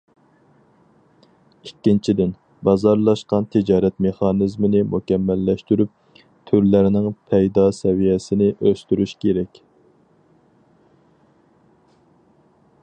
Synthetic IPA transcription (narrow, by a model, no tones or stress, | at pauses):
ikʲːint͡ʃʰid̪ɪn | bɑzɑɾlˠɑʃqɑnt̪ʰɪd͡ʒɑːɾɛt̪meχɑnɪzmɪnɪmʔukʲɛmːɛlːɛʃt̪yɾyp̚ | t̪ʰyɾlæɾɪnɪŋpʰɛjd̪ɑsɛvijɛsɪnɪʔøst̪yɾyʃkʲʰeɾɛkʲ